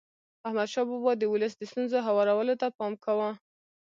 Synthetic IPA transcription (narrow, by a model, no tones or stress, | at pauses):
ahmad̪ʃɑbubɑd̪əwʊləs̬d̪əst̪unzoɦawɑɾawəlot̪apɑmkawa